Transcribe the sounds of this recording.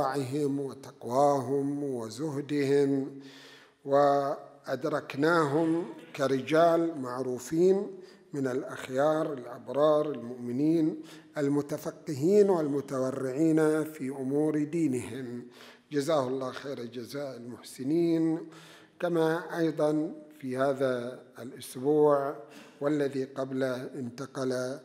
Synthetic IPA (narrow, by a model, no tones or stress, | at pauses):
ʕɪɦɪmwɪt̪ɑqwaːɦʊmwɪzʊhd̪ɪhɪm | wɪʔad̪ɾˤɑknaːɦʊmkaɾɪd͡ʒaːlmaʕɾuːfiːn | mɪnɪlʔaxjɑːɾˤɪlʔabɾˤɑːɾˤɪlmʊʔmɪniːnʔɪlmʊt̪afɑqːɪɦiːnwɪlmʊt̪awarːɪʕiːnafiʔʊmuːɾd̪iːnɪhɪm | d͡ʒazaːhʊlˤːɑːxeːɾad͡ʒazaːʔɪlmʊħsɪniːn | kamaʔɑjðˤɑnfihaːðaɪlʔʊsbuːʕ | walːaðiqɑblaʔɪnt̪aqɑla